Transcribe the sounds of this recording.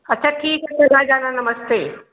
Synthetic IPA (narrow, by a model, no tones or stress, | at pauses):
ɐtːɕʰaːʈʰiːksɐnaːd͡ʑaːnanɐməst̪eː